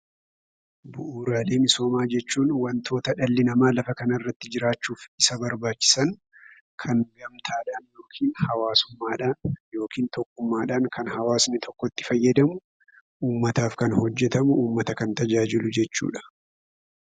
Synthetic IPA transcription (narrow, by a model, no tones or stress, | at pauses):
bʊʔuːɾaːle̞ːmɪso̞ːmaːd͡ʒɛt͡ʃːuːnwɐnt̪ʰo̞ːt̪ɐᶑɐlːɪnɐmaːlɐfɐkɐnɐrːɐt̪ːɪd͡ʒɪɾaːt͡ʃːuːfɪsɐbɐɾbaːt͡ʃːɪ̥sɐŋ | kʰɐŋɡɐmt̪ʰaːᶑaːnjo̞ːkʰiːnhɐwaːsʊmːaːᶑaːnjo̞ːkʰiːnt̪ɔkːʊmːaːᶑaːnkʰɐnhɐwaːsnɪt̪ʰɔkːɔt̪ːɪ̥fɐjːɐd̪ɐmʊ | ʔuːmːɐt̪aːfkɐnhɔd͡ʒːɛt̪ɐmʊuːmːɐt̪ɐkɐnt̪ɐd͡ʒaːd͡ʒɪlʊd͡ʒɛt͡ʃːṵːᶑɐ̥